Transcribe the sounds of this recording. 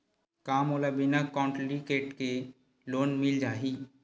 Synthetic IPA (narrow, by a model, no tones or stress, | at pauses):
kaːmoːlabɪnakɔ̃ːɳʈlikeːʈke | loːnmɪld͡ʒaːɦi